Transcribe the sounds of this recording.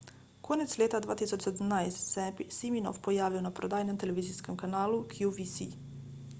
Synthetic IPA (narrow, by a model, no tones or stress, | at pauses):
konet̪slʲeːt̪ad̪ʋaːt̪isot͡ʃsed̪mnajst̪sepisimino̰fpojaːʋionapɾod̪aːjnemt̪eleʋiːziskemkanaːlukʰjuʋisi